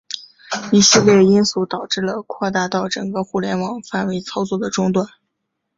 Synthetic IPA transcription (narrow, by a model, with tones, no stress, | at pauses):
i˨˩si˥˧ljɛ˥˩i˥nsu˧˥t̪ɑ˨˩ʊʈ͡ʂɻ̩˥˩lə˩kʰwɔ˥˧t̪a˥˧t̪ɑ˥˩ʊʈ͡ʂɤ˨˩ŋɡə˧xu˥˩ljɛ˧˥nwɑ˨˩ŋfa˥˩nwe˧˥ɪt͡sʰɑ˥ʊt͡swɔ˥˩d̪ə˩ʈ͡ʂʊ˥ŋt̪̬wa˥˩n